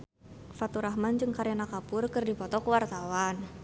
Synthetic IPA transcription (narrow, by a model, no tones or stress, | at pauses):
fat̪uɾaɦmand͡ʒɨŋkaɾjanakapʊrkɨrdipɔt̪ɔkəwart̪awan